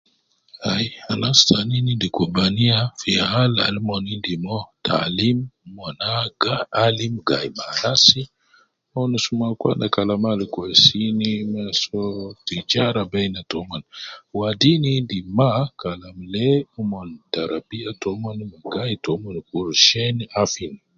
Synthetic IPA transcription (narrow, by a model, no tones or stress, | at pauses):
hajalastaninindikobaniafiaala̰lmonindimotʰa̰limmonaɡalimɡajmalasi | monisumakwa̰ndakalamalikosinimasotid͡ʒaɾabajnatomonwadinindimakalamleumontaɾabiatomonmaɡajtomonkuɾʃenafini